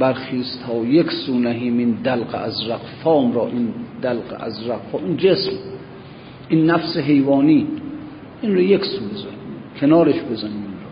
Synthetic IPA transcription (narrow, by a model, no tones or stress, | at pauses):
bæɾxiːst̪ʰɒːjekʲsuːnæɦiːmind̪ælqḛæzɾæqfɒːmɾɒːʔind̪ælqḛʔæ̰zɾæqfɒːmind͡ʒesm | ʔinːæfseɦejvɒːniː | ʔinɾojekʲsuːbezænimkʲʰenɒːɾeʃbezæniːminɾɔː